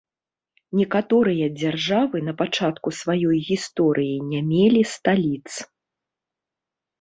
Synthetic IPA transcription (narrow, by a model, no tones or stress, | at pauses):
nʲikat̪ɔɾɨjɐd͡zʲarʐavɨnɐpat͡ʂat̪kusvajɔjɣʲist̪ɔɾʔɨjinʲamʲelʲist̪alʲit̪s